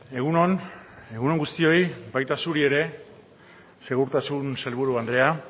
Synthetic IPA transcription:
e̞ɣunone̞ɣuno̞ŋɡust̪io̞jbajt̪asuɾie̞ɾe̞ | se̞ɣ̞uɾt̪asunse̞lβuɾuand̪ɾe̞a

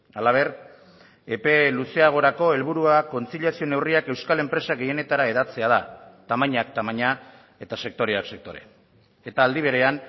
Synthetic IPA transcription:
alaβ̞e̞r | epe̞luse̞aɣ̞o̞ɾako̞e̞lβuɾuako̞nt͡siʎiasio̞ne̞wriake̞wskale̞mpɾe̞saɣe̞je̞ne̞t̪aɾae̞ð̞at͡se̞að̞at̪amaɲak̚t̪amaɲa | e̞t̪ase̞k̚t̪o̞ɾeakse̞k̚t̪o̞ɾe̞̰ | et̪aːld̪iβ̞e̞ɾe̞an

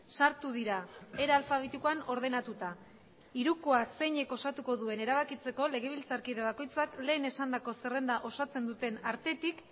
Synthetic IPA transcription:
saɾt̪uðiɾae̞ɾalfaβ̞et̪ikoano̞ɾð̞e̞nat̪ut̪a | iɾukoase̞ɲe̞ko̞sat̪uko̞ðue̞ne̞ɾaβ̞akit͡se̞ko̞le̞ɣ̞e̞β̞ilt͡saɾkiðeβ̞ako̞jt͡sakle̞ːne̞sand̪ako̞se̞re̞nd̪aʔo̞sat͡se̞nd̪ut̪e̞naɾt̪e̞t̪ik

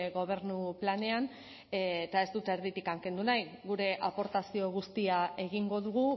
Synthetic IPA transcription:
ɣo̞β̞e̞ɾnuplane̞an | et̪ae̞zd̪ut̪e̞ɾðit̪ikaŋke̞nd̪unajɣuɾe̞ʔapo̞ɾt̪asio̞ɣ̞ust̪iae̞ɣiŋɡo̞ðuɣ̞u

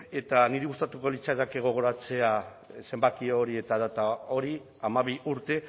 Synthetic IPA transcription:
e̞t̪aniɾeɣust̪at̪uko̞lit͡ʃaðake̞ɣ̞o̞ɣ̞o̞ɾat͡se̞a | se̞mbakioɾie̞t̪aðat̪ao̞ɾi | amaβ̞iʔuɾt̪e̞

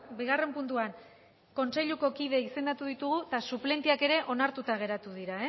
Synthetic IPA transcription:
biɣ̞are̞mpunt̪uaŋ | ko̞nt͡se̞ʎuko̞kið̞e̞ise̞nd̪at̪uðit̪uɣ̞ut̪asuple̞nt̪iake̞ɾe̞ʔo̞naɾt̪ut̪aɣ̞e̞ɾat̪uðiɾae

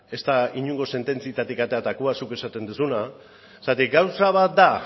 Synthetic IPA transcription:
e̞st̪aiɲuŋɡo̞se̞nt̪e̞nt͡siet̪at̪ikat̪e̞at̪akuasuke̞sat̪e̞nd̪usuna | sat̪ikɡawsaβ̞at̪̚d̪a

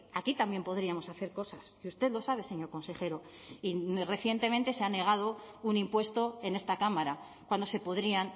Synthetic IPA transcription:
akit̪ambje̞mpo̞ðɾiamo̞saθe̞ɾko̞sasiust̪e̞ðlo̞saβe̞se̞ɲo̞ɾko̞nse̞χe̞ɾo̞ | ire̞θje̞nt̪e̞ment̪e̞seane̞ɣ̞aðo̞unimpwe̞st̪o̞e̞ne̞st̪akamaɾa | kwand̪o̞se̞po̞ðɾian

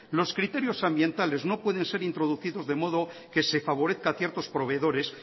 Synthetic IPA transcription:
lo̞skɾit̪e̞ɾjo̞sambjẽ̞nt̪ale̞zno̞pwe̞ðe̞nse̞ɾint̪ɾo̞ðuθiðo̞zðe̞mo̞ð̞o̞ | ke̞se̞faβo̞ɾe̞θkaθje̞ɾt̪o̞spɾo̞β̞e̞ðo̞ɾe̞s

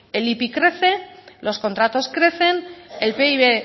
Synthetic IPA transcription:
e̞lipikɾe̞θe̞lo̞sko̞nt̪ɾat̪o̞skɾe̞θe̞nelpe̞iβe̞

